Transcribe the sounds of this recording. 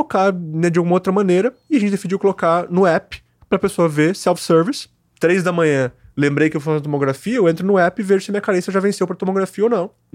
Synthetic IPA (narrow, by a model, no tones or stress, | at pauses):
okaɾnɛd͡ʒɪaɡumɐowt̪ɾɐmɐ̃neɾɐɪɐʒẽnt͡ʃɪd̪esid͡ʒiwkolokanʊɛpɪ̥ | pɾɐpesoɐvesɛwfsɛɾvis | t̪ɾejzd̪ɐmɐ̃ɲɐ̃ | lẽmbɾejkɪewvofazɐt̪omoɡɾafiɐewẽnt̪̬ɾʊnʊɛpɪveʒʊsɪɐmĩɲɐkaɾẽsɐʒavẽsewpɾɐt̪omoɡɾafiɐonɐ̃w̃